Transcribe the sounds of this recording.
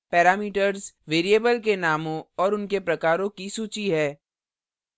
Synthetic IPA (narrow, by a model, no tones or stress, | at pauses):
pɛːɾaːmiːʈəɾzʋeːɾijeːbəlk̬enaːmõɔːɾʊnkepɾɐkaːɾõkisuːt͡ʃiɦɛː